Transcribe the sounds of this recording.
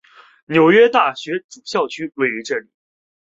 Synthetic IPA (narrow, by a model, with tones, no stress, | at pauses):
njo˨˩ʊɥɛ˥t̪a˥˩ɕɥɛ˧˥t͡su˨˩ɕjɑ˥˩ʊt͡ɕʰy˥we˥˩ɪy˧˥ʈ͡ʂɤ˥˩lḭ˨˩˦